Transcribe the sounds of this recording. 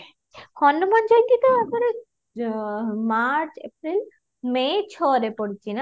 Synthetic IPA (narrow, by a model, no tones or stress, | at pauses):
kʰɔnːomɔnd͡ʑɔjkit̪oɛpaɾe | maɾt͡ɕḛpɾil | met͡ɕʰoɾepoɽit͡ɕʰina